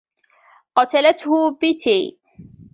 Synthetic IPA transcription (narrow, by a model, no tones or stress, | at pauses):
qɑt̪alat̪hʊbɪt̪ʰiː